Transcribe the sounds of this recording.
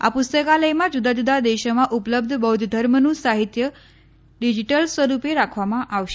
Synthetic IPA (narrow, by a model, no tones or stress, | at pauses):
a̰pust̪əkaləjmad͡ʑud̪ad͡ʑud̪ad̪eɕəmaʔupləb̚d̪ʱəbəud̪ʱd̪ʱəɾmənusaɦit̪jə | ɖid͡ʑiʈəlsʋəɾupeɾakʰʋamaʔaʋɕ